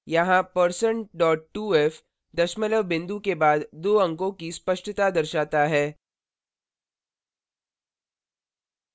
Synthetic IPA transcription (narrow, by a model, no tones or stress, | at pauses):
jɐɦãpəɾsə̃ɳɖɔːʈ̚ːuːeːf | d̪ɐʃmələʋbɪ̃nd̪ukebaːd̪d̪oːɐ̃ŋkõkispɐʃʈət̪ad̪ɐɾʃaːt̪aɦɛː